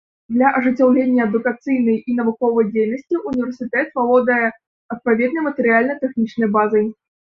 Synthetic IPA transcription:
d̪lʲɐʔɐʐɨt͡sʲawlʲenʲjɐɐd̪ukat̪sɨjnɐjinɐvukɔvɐjd͡zʲejnəsʲt͡sʲiʔunʲiɛrsʲɨt̪ɛt̪valˠɔd̪ɐjɛ | ɐt̪̚pavʲɛd̪nəjmɐt̪əɾʲɨalʲnɐjt̪ɛxnʲit͡ʂnɐjbazɨj

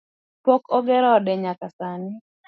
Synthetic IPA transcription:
pɔkɔɡɛɾɔːdɛɲakasanɪ

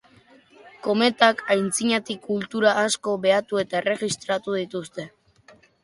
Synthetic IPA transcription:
ko̞me̞t̪akajnt͡siɲat̪ikult̪uɾaʔːsko̞βe̞at̪ue̞t̪ae̞re̞ɣist̪ɾat̪uð̞it̪ust̪e̞

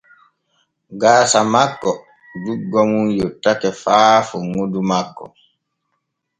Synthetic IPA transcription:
ɡaːsamakːɔ | duɡɔmunjɔtːakɛfaːfuŋodumakːɔ̰

